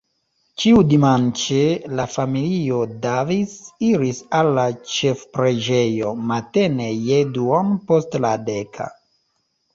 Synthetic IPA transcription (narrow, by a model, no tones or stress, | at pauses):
t͡ʃiudimant͡ʃelafamilio̞davisiɾisalːat͡ʃe̞fpɾe̞d͡ʒe̞jo̞mate̞ne̞jeduonpo̞stladekʰa̰